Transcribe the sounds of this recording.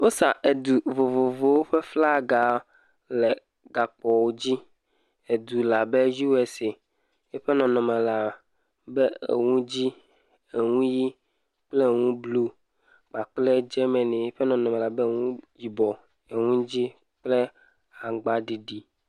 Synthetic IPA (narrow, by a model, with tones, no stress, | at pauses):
wo˦sa˨ʔe˨d̪u˨vo˨vo˨vo˨wo˦ɸe˦fla˦ɡa˨ | lɛ˨ | ɡa˨k͡pɔ˨wo˦d͡ʑi˦ | e˨d̪u˨la˨be˦ji˦we˨se˨ | e˦ɸɛ˦nɔ̃˨nɔ̃˨mẽ˨la˨ | bɛ˦ḛ˨ŋũ˦d͡ʑi˦ | e˨ŋũ˦ji˦ | k͡ple˦ŋũ˦blu˦ | k͡pa˨k͡plɛ˦d͡ʒɛ˦mɛ̃˨nẽ˨e˦ɸɛ˦nɔ̃˨nɔ̃˨me˨la˨be˦ŋũ˦ji˨bɔ˨ | e˨ŋũ˦d͡ʑi˦ | k͡plɛ˦ | a˨ɡ͡ba˦ɖi˨ɖi˨